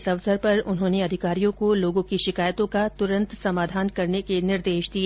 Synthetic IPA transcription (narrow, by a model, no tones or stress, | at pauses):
sɐʋsəɾpɐɾʊnɦõːneɐd̪ʱɪkaːɾijõkoloːɡõkiʃɪkaːjət̪õkat̪ʊɾə̃nt̪sɐmaːd̪ʱaːnkɐɾnekenɪɾd̪eːʃd̪ieː